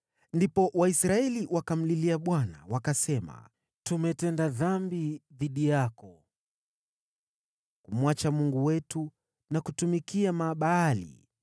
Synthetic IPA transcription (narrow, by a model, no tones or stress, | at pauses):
ndipɔwaisɾaɛliwakam̩liliaɓwana̰wakasɛma̰ | tumɛtɛndaðambiðiɗijakɔ | kumwat͡ʃamuŋɡuwɛtu | nakutumikiamaːɓaːlḭ